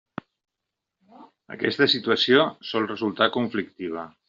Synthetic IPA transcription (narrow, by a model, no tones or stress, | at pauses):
ə̰kɛ̰st̪əsit̪uəsijosɔlˠrəzulˠt̪akuɱflik̚t̪iβ̞ə